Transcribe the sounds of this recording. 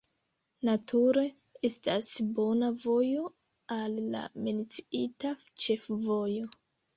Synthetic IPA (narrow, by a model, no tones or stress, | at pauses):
natʰuɾe̞ | e̞stasbo̞navo̞jo̞ | alːa̰menit͡si̥ita | t͡ʃe̞fvo̞jo̞